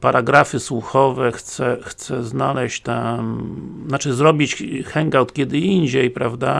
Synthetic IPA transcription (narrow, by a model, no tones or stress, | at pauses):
paɾʔaɡɾafɘswuxɔvɛxt̪sɛxt̪sɛznalɛɕt͡ɕt̪ɛ | nat͡ʂɘzɾɔbʲit͡ɕxɛŋɡawt̪kʲɛd̪ɘiɲd͡ʑejpɾavd̪a